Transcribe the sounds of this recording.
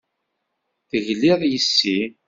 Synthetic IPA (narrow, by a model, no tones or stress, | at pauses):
θəʝlɪðˤjəsːi